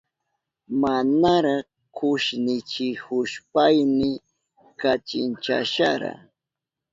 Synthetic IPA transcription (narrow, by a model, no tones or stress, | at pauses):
manaɾɑχ | kʰʊʃnɪt͡ʃɪhʊʃpajmɪ | kat͡ʃɪnt͡ʃa̰ʃaɾa̰